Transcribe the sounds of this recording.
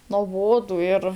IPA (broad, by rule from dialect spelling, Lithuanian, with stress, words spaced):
noːˈboːdʊ ɪr